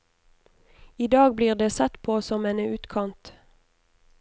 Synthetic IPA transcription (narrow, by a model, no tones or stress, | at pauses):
iːd̪ɑːɡ̚bliːʁd̪eːsɛt̪pʰoːsɔmeːnəʉːt̪kʰɑnt̪